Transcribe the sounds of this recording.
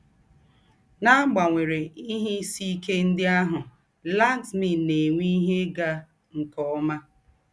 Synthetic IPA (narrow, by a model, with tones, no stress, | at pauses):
na˦ɡ͡ba˨ŋʷe˨ɾe˨i˦ɦɪ˦si˦ke˦n̩˦dɪ˦a˦ɦʊ˨ | la˦n˦tmi˨ne˨ŋʷi˦ɦe˦ɡa˦ | ŋ̩˨kɔ˦ma˦